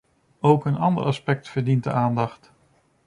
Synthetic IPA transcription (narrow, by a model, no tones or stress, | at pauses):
owkənɑndə̰rɑspɛk̚tfəɹdint̚dəʔaːndɑχt